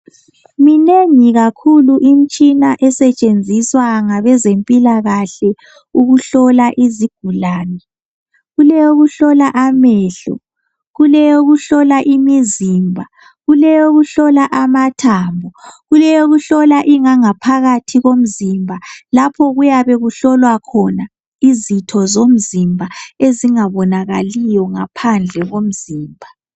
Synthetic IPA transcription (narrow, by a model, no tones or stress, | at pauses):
mineŋiɣakʰuluʔim̩t͡ʃʼinaʔɛsɛt͡ʃʼend͡zʱiswaŋaβɛzempʼilaɣaɬɛ | uɣuɬɔlaʔiziɡ̥ʱulaːnɛ | ɣulɛjoɣuɬɔlaʔamɛɬɔ̰ | ɣulɛjoɣuɬɔlaʔimizimbʱa | ɣulɛjoɣuɬɔlaʔamatʰaːmbʱɔɣulɛjoɣuɬɔlaʔiŋaŋapʰaɣatʰiɣom̩zimbʱalapʰɔɣujaβɛɣuɬɔlwakʰɔna | izitʰɔzom̩zimbʱaeziŋaβɔnaɣalijɔŋapʰand͡ɮʱɛɣom̩ziːmbʱa